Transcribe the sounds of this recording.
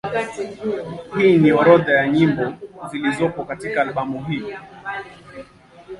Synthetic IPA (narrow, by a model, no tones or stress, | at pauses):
hiːniɔɾɔðajaɲimbɔzilizɔpɔkatikaːlɓamuɦiɔ